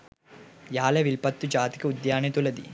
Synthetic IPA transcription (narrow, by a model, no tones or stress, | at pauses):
jaːlɐʋilpɐt̪ːud͡ʒaːt̪i̥keud̪jaːɳet̪ulɐd̪ḭ